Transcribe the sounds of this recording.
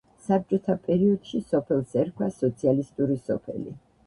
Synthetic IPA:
sap̚t͡ʃʼɔt̪ʰapʼɛɾiɔd̪̥ʃisɔpʰɛlˠsɛɾkʰwasɔt̪sʰialist̪ʼuɾisɔpʰɛ̰lḭ

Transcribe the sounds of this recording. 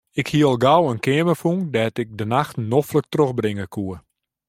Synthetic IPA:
ɪkhiəlˠɡawənkɪəməfuŋdɛːtɪk̚dənaxtnoflək̚troxbrɪŋəkʰuə

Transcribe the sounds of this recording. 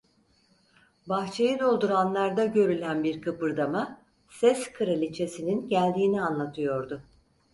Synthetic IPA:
baxt͡ʃʰejɯd̪o̞lˠd̪uɾanlˠaɾd̪aɟø̞ɾylʲænbiɾkʰɯpɯɾd̪ama | sɛskʰɯɾalʲit͡ʃʰe̞sininɟælʲd̪iːnianlˠat̪ʰɯjo̞ɾd̪ʊ

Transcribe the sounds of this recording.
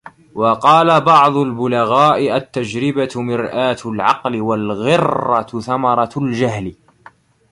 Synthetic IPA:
wɑqɑːlabɑʕd̪ˤʊlbʊlaɣaːʔɪʔat̪ːad͡ʒɾɪbat̪mɪɾʔaːt̪ʊlʕɑqlɪwalɣɪrːɑθamɑɾˤɑld͡ʒahlɪ

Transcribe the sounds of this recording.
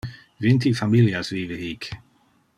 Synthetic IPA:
vɪnt̪ʰifamiljasviːvəhiːk

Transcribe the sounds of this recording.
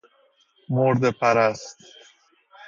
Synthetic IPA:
moɾd̪epʰæɾæst̪

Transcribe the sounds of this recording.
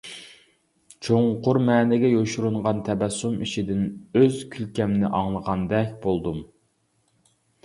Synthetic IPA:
t͡ʃʰoŋqʊɾmɛːnɪɡʲɛjoʃuɾuɴʁɑnt̪ʰɛbɛsːumiʃid̪ɪnøzkʲʰylkʲɛmnɪʔɑŋlˠəʁɑnd̪ɛkʲbolˠd̪um

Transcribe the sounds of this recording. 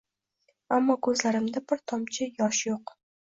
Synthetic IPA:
amːɒkʰɵzlaɾɪmd̪abɪɾt̪ʰɒmt͡ʃʰɪjɒʃjoq

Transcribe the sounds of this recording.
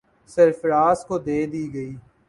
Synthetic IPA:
sɐɾfɾaːskod̪eːd̪iːɡɐiː

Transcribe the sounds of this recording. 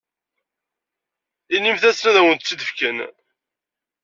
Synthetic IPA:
inimθæsnæðæwənt̪t͡sːiðəfkən

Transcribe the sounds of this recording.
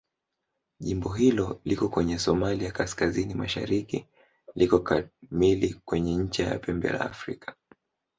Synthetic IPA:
ʄimbɔɦilɔlikɔkwɛɲɛsɔmaliakaskazinimaʃa̰ɾikḭ | likɔkamilikwɛɲɛɲ̩t͡ʃaja̰pɛmbɛ̰la̰ːfɾikʰḁ

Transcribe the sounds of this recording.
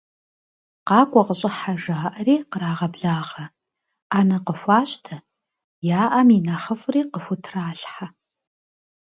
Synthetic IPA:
qɑːkʷʼɐqəɕʼɪħaʒaːʔɐreːqəɾaːʁɐbɮaːʁɐ | aːnɐqəfʷaːɕtʰɐ | jaːʔɐminaχɐfriːqəfʊtʰraːɬħa

